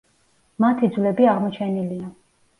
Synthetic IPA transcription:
mat̪ʰid̪zwlɛbiaʁmɔt͡ʃʰɛnilia

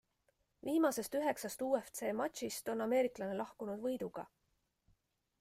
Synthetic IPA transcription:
viːmɑse̞st̪yɦe̞ksɑst̪uːeft̪se̞ːmɑt̪ʲɕist̪o̞nɑme̞ːɾiklɑnelɑhkunud̪vɤjd̪uɡ̥ɑ̰

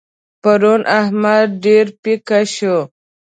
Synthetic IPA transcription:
paɾunʔahmad̪̚ɖeɾpikaɕu

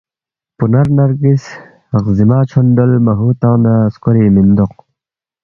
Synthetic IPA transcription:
punɐɾnɐɾɡis | ʁzimaːt͡ɕʰonɖolmɐɦuːt̪ãːnaskoɾiːmind̪oq̚

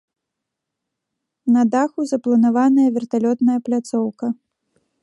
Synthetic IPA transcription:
nɐd̪axuzɐplˠɐnavanɐjɐvʲɛrt̪alʲɔt̪nɐjɐplʲat̪sɔwkɐ

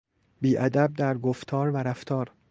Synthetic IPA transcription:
biːʔæd̪æb̚d̪æɾɡoft̪ʰɒːɾvæɾæft̪ʰɒːɾ

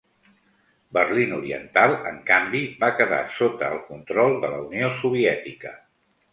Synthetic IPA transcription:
bərlinuɾiə̰nt̪alˠə̰ŋkambibakəða̰sot̪əːlˠkunt̪ɾɔlˠd̪ələ̰uniosuβ̞iɛt̪ikə

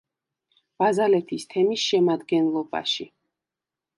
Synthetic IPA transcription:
b̥azalɛt̪ʰist̪ʰɛmisʃɛmad̪ɡɛnlˠɔba̰ʃi

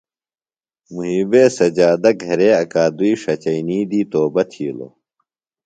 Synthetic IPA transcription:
muɦibeːsɐd͡ʑaːd̪ɐk̚ɡʱɐɾeɐkaːd̪uiʂɐt͡ɕɐiniːd̪iːt̪oːbɐt̪ʰḭːlo̰

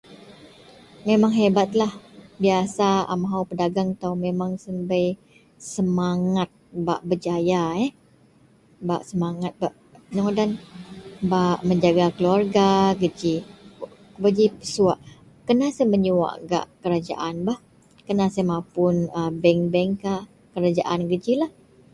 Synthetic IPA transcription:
memaŋɦebat̪̚lahbiasaa̰maɦaupədaɡaŋt̪awmemaŋsəmbəj | səmaŋat̪̚ba̰ʔbəd͡ʒajaɛ | ba̰ʔsəmaŋat̪̚baʔ | əɲɔŋdan | baʔməɲd͡ʒaɡakəluarɡaɡəd͡ʒi | bəd͡ʒipəsuaʔ | kənasaməɲuwa̰ʔɡa̰ʔkəɾad͡ʒa̰ʔanbah | kənasamapʊnəbɛŋbɛŋkaʔ | kəɾad͡ʒa̰ʔanɡəd͡ʒilah

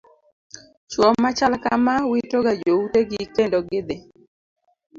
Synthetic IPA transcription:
t͡ʃwɔmːat͡ʃalakamawitoɡad͡ʒouteɡikendoɡɪd̪e

